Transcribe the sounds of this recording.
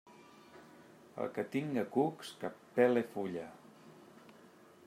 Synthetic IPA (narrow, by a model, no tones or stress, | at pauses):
ə̰lˠkət̪iŋɡəkukskapːɛlefuʎə